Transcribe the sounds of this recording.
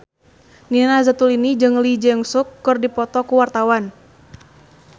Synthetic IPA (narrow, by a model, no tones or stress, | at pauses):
ninazat̪ulinid͡ʒɨŋlid͡ʒɛŋsʊkːɨrdipɔt̪ɔkuwart̪awan